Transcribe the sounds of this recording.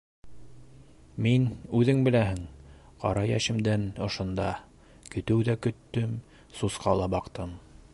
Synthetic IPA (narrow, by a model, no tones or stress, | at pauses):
minʉðɘŋbɘ̆læɦɘŋ | qɑ̰ɾɑjæʃɘ̆md̪ænŏʃŏnd̪ɑ | kɵ̆t̪ɘwðækɵ̆t̪ːɵm | susqɑlˠɑbɑqt̪ɤm